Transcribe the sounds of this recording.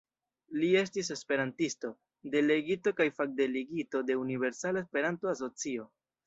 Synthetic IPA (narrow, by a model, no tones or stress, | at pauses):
lie̞stis̬e̞spe̞ɾantisto̞ | de̞le̞ɡito̞kajfak̚de̞leɡito̞de̞unive̞ɾsalaespe̞ɾantoas̬o̞t͡sio̞